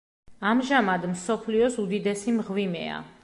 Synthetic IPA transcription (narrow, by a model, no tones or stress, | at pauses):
amʒamad̪msɔpʰliɔsud̪id̪ɛsimʁwimɛ̰a̰